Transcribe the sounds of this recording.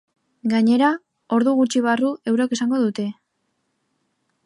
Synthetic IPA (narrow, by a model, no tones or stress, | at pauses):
ɡaɲe̞ɾa | o̞ɾðuɣut͡ʃiβ̞arue̞wɾoke̞saŋɡo̞ðut̪e̞